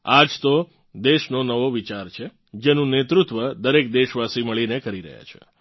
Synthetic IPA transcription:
ad͡ʒt̪o | d̪eʃnonəʋoʋit͡ʃaɾt͡ʃʰe | d͡ʒenũnet̪ɾut̪ʋəd̪əɾek̚d̪eʃʋasiməɭinekəɾiɾə̰ɦja̰t͡ʃʰḛ

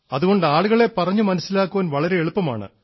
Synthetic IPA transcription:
ɐðuɣo̞ɳɖɨaːɭuɣɐɭe̞pɐrɐɲːumɐnɐsːilaːkːuʋɐnʋɐɭɐɾe̞eɭupːɐma̰ːɳɨ̰

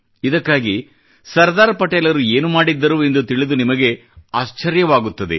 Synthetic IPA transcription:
id̪ɐkːaːɡi | sɐɾd̪aːɾɐpɐʈeːlɐɾue̞ːnumaːɽid̪ːɐɾuːe̞nd̪ut̪iɭid̪unimɐɡe̞ | aːʃt͡ʃɐɾjɐʋaːɡut̪ːɐd̪e̞̰

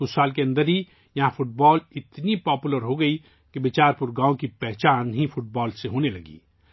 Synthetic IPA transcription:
ʊsːaːlkeɐ̃nd̪əɾɦi | jɐɦãfʰʊʈ̚bɔːlɪt̪nipɔːpuləɾɦoɡɐi | kebɪt͡ʃaːɾpʊɾɡãːõkipɛɦt͡ʃaːnɦifʰʊʈ̚bɔːlseɦoːnelɐɡḭː

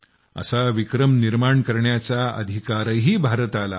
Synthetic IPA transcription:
ə̰saʋikɾəmniɾmaɳkəɾɳjat͡saə̰d̪ʱikaɾəɦiːbʱaɾət̪ala̰

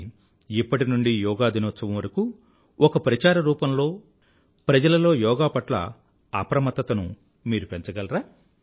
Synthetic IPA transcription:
ipːɐʈinuɳɖijɔːɡaːd̪inot͡ʃːɐʋɐmʋɐɾɐku | ʔɔkɐpɾɐt͡ʃaːɾɐɾuːpɐmlo̞ː | pɾɐd͡ʒɐlɐlo̞ːjɔːɡaːpɐʈlɐ̰ | ɐpɾɐmɐt̪ːɐt̪ɐnṵ | miːɾupent͡ʃɐɡɐlɐɾaː

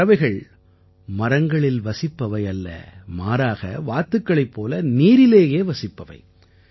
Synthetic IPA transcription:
ɐʋɐɪɣɐɭ | mɐɾɐŋɡɐɭɪlʋɐsɪpːɐʋɐɪɐlːɐ̰maːɾaːɣɐ̰ʋaːt̪ːɯkːɐɭɐɪpːoːlɐniːɾɪleːjeːʋɐsɪpːɐʋɐ̰ɪ

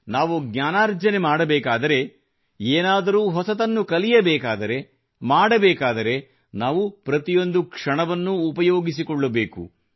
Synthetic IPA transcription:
naːʋuɡɲaːnaːɾd͡ʒɐnemaːɽɐbɛːkaːd̪ɐɾe̞ | eːnaːd̪ɐɾuːɦɔsɐt̪ɐnːukɐlijɐbɛːkaːd̪ɐɾe̞ | maːɽɐbɛːkaːd̪ɐɾe̞ | naːʋupɾɐt̪ijo̞nd̪ukʂɐɳɐʋɐnːuːpɐjo̞ːɡis̬ikɔɭːɐbeːkṵ

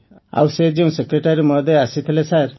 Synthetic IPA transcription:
a̰wsed͡ʒeũsekɾeʈaɾimɔd̪ʱeasit̪ʰilesaɾ

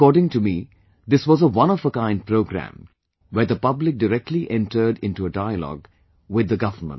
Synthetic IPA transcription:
kɔːɖɪ̃ŋʈumi | d̪ɪswɔzəwʌ̃nɔfəkãɪ̃nd̚pɾoʊɡɾæ̰̃m | wəɾd̪əpʌblɪk̚dəɾɛk̚ʈliʔɛ̃nʈə˞ɖɪ̃nʈuədaɪəlɔ̰ːɡ | wɪd̪ːəɡʌvəmə̰̃

